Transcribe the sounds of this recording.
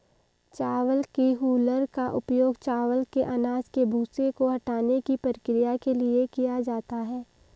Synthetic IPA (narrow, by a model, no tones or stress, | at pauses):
t͡ʃaːʋəlkiɦuːləɾkaʔʊpjoːɡt͡ʃaːʋəlkeʔanaːzkebʱuːsekoɦɐʈaːnekipɾəkɾɪjakeliekijad͡ʒaːt̪aɦɛː